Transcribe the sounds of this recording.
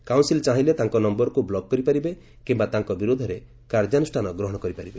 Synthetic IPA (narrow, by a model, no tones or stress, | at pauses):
kaw̃nsilt͡ʃaɦĩlet̪aŋkɔnɔmbɔɾɔkublɔɡ̚kɔɾipaɾibe | kimbat̪aŋkɔbiɾod̪ʱɔɾe | kaɾd͡ʒanusʈʰanɔɡɾɔɦɔɽ̃ɔkɔɾipaɾibe